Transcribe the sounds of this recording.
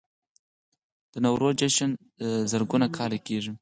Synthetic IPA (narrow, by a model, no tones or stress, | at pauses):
d̪̥ənawɾod͡ʒeʃan | zəɾɡunakʰɑɾekeʐi